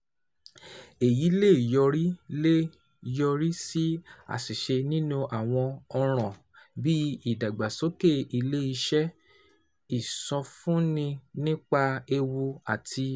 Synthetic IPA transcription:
e˨ji˨˦le˦˨jɔ˧ɾi˦le˦ | jɔ˧ɾi˦si˦a̰˦˨si˨ʃe˧nĩ˦nũ˦ʔa˨w̃ɔ̃˧ɔ˧ɾ̃ɔ̃˨ | bi˦i˦˨da˨ɡ͡ba˨so˦ke˦˨i˧le˦i˧ʃɛ˦ | i˦˨sɔ̃˧fũ˦nĩ˧nĩ˦k͡pa˧e˧wu˧a˨tʰi˧

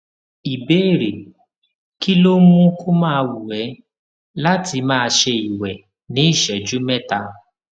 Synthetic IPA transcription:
i˨beː˦˨ɾe˨ | ki˦lo˦mũ˦ko˦mãː˦˧wu˨ɛ˨˦ | la˦ti˧mãː˦˧ʃe˧i˨wɛ˨ | nĩ˨˦i˦˨ʃɛ˨d͡ʒu˦mɛ˦ta˧

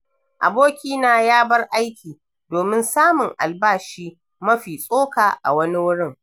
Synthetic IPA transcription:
ʔa̰˨boː˦kʲiː˦naː˨jaː˦bɐ˦rʔa˦jkʲiː˨ | doː˨mɪ˦nsaː˦mʊ˨ŋʔa̰˨lbaː˦ʃiː˦ | mɐ˦ɸiː˨sʼoː˦kaː˨ʔa̰˨wɐ˦ni˦wʊ˦ɽɪ˦ŋ

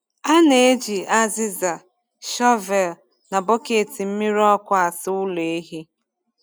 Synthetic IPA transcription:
a˦ne˨e˦d͡ʒi˨a˦zɪ˦za˨ | ʃɔ˦vɛ˨l | na˨bɔ˦ke˨ti˨m̩˦mi˦ɾɔ˦kʷa˦a˨sʊ˦ʊ˦le˨e˦ɦi˦

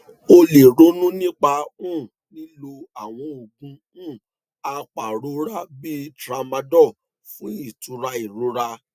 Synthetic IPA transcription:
o˧le˨ɾo˨˦nũ˦nĩ˦k͡pa˧ũ˦˨ | nĩ˦lo˧a˦˨w̃ɔ̃˧o˨ɡũ˨˧ | ũ˦˨ | a˧k͡pa˨ɾo˨˦ɾa˦bi˦tɾa˧˦mã˧dɔ˦˨ | fũ˨˦i˦˨tu˨˦ɾa˧i˨ɾo˨˦ɾa˧

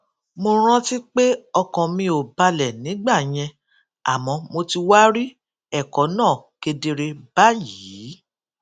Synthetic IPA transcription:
mo˧ɾ̃ã˦ti˦k͡pe˦ɔ˧kɔ̃˨mĩ˧o˨ba˧lɛ˨nĩ˨˦ɡ͡ba˦˨j̃ɛ̃˧ | a̰˨mɔ̃˨˧˦mo˧ti˧wa˦ɾi˦ | ɛ˦˨kɔ˨˦nãː˦˨ke˧de˧ɾe˧ba˦jiː˨˦˨

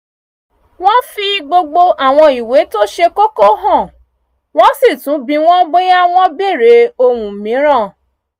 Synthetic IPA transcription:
w̃ɔ̃˦fi˧ɡ͡bo˧ɡ͡bo˧ʔa˦˨w̃ɔ̃˧i˨we˨˦to˦ʃe˧ko˦ko˦ɦɔ̃˦˨ | w̃ɔ̃˦si˦˨tũ˨˦bĩ˧w̃ɔ̃˦ɡ͡be˦ja˦w̃ɔ̃˦be˦˨ɾe˨˦o˧wũ˨mĩ˨˦ɾ̃ã˦˨

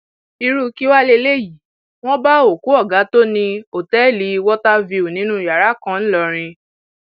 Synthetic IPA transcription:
i˧ɾu˦ki˦wa˦le˧le˦˨ji˨˦ | w̃ɔ̃˦ba˦o˨ku˨˦ɔ˦˨ɡa˨˦to˦nĩ˧o˨tɛ˦˨li˨˧˦wɔ˦ta˦vi˧u˨nĩ˨˦nũ˦˨ja˨ɾa˨˦kã˦˧n̩˦lɔ˧ɾ̃ĩ˧

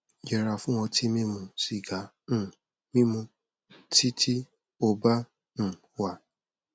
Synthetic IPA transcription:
je˨ɾa˨fʊ˦ŋʷɔ˧tʰi˦me˦mũ˨si˨ɡa˨ | n̩˨ | mi˦mu˧ | ti˦tʰi˦ | o˨ba˦ | m̩˨ | wa˨

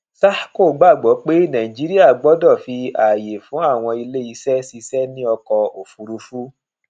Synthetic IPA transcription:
sa˦ko˦˨ɡ͡ba˦˨ɡ͡bɔ˨˦k͡pe˦nã˨ĩ˨d͡ʒi˨˦ɾi˦a˦˨ɡ͡bɔ˨˦dɔ˦˨fi˧a˨je˨fũ˨˦a˦˨w̃ɔ̃˧i˧le˦i˧sɛ˦si˧sɛ˦nĩ˦ɔ˧kɔ˧o˨fu˧ɾu˧fu˦

